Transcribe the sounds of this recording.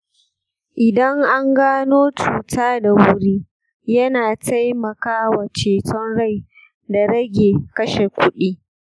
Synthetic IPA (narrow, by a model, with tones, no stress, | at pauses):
ʔɪ˨dɐ˦ŋʔa˦ŋɡaː˦noː˦t͡ʃuː˨taː˦da˨wʊ˦ɽiː˦ | jɐ˦naː˨ta˦jmɐ˨kaː˦wa˨t͡ʃeː˨tɔ˦nɽa˦˨j | da˨ɾɐ˦ɡʲeː˨kɐ˦ʃe˨kʷʊ˦ɗiː˦